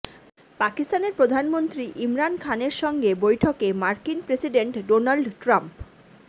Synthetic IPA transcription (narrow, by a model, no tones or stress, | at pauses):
pakist̪aneɾpɾod̪ʱanmont̪ɾiʔimɾankʰaneɾʃɔŋɡebojʈʰokemaɾkinpɾesiɖeɳʈɖonalɖʈɾamp